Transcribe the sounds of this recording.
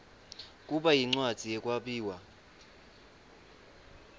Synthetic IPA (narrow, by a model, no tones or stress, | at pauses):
k̬ʼuɓajiŋ͡ǀwad̥z̥ʱijɛk̬ʼwaɓiːwa